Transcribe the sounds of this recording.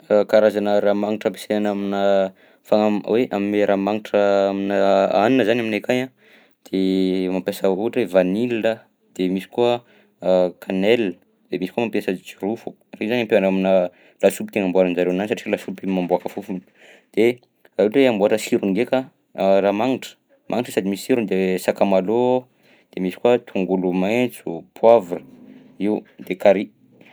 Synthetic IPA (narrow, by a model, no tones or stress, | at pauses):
kaɾazanəɾamaŋiʈ͡ʂəpi̥senanaminə | faŋaweʔamineɾʔamaŋiʈ͡ʂəaminəaninəzanaminekajã | d̪̥emampjasəuʈ͡ʂevaniliə | d̪̥emisi̥kuə | kʰanɛl | d̪̥emisi̥kumampjasəd͡ʒirufu̥ | rezanampeanaminə | lasupit̪eŋambuaɾanzaɾewnanisaʈ͡ʂilasupimambuakəfufun | d̪̥e | raiʈ͡ʂeambuaʈ͡ʂəsiɾuŋɡekə | ramaŋiʈ͡ʂə̥ | mʔaŋiʈ͡ʂə̥sad̪imisi̥siɾund̪esakamalo | d̪̥emisi̥kuət̪ʰuŋɡulumet͡supʰwavrə | iwd̪ekaɾi